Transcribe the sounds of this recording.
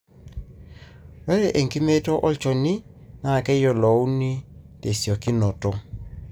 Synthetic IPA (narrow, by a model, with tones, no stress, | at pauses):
wɛ˦ɾɛ˦˨ʔe˨ŋki˦me˦tɔ˦ʔɔ˦t͡ʃɔ˨ni˦na˨kɛ˦jɔ˨lɔ˨u˦ni˦te˨sjɔ˨ki˦nɔ˨tɔ˨